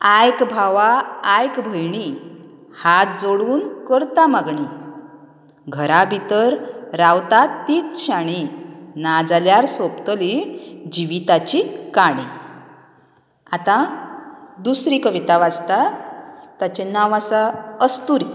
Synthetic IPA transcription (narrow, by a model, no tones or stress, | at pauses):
ajkbʱaʋaːjkbʱəjɳi | hat̪̚d͡zoɽuːnkəɾt̪amaɡɳi | ɡʱəɾabʱit̪əɾɾawt̪at̪ːiːt͡s̪ɕaɽ̃inad͡zaljaɾsopt̪əlid͡ʑiʋit̪at͡ɕikaɽ̃i | at̪ã | d̪usɾikəʋit̪aʋad͡zt̪a | t̪at͡ɕenaʋasaəst̪uɾ